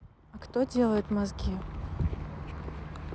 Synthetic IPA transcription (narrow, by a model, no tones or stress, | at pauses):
ɐkt̪odʲe̞lˠəjʊt̪mɐzɡʲi